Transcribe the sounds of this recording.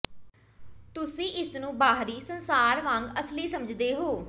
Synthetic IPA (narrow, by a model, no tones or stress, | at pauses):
t̪ʊsĩːʔɪsnũːbaːɦɾiːsənsaːɾʋãːŋɡəsliːsəməd͡ʒd̪eːɦoː